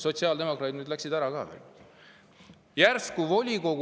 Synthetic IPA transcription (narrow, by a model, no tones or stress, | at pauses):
so̞t̪ʲsiɑːld̪e̞mo̞krɑːd̪nyːd̪læksid̪̥æɾɑkɑ̰ːvḛ | jærskuvo̞lʲiko̞ɡ